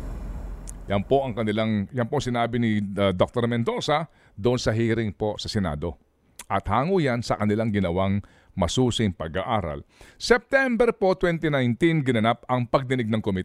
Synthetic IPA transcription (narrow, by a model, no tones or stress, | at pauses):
jɐnpo̞ʔɐŋkɐnɪlaŋjɐnpoʔɐŋsɪnaːbɪnɪd̪ok̚t̪oɾmɛnd̪o̞sɐ | d̪ʊʔonsɐɦiːɾɪŋpo̞sɐsɛna̰ːd̪o̞̰ | ʔɐt̪̚haːŋujansɐkɐnɪlaŋɡɪnɐwaŋ | mɐsuːsɪŋpɐɡaʔaːɾɐ̰lsɛp̚t̪ɛmbɛɾpo̞t̪wɛnt̪ɪnajnt̪inɡɪnɐnapɐŋpɐɡ̚d̪ɪnɪɡ̚nɐŋkomɪt̪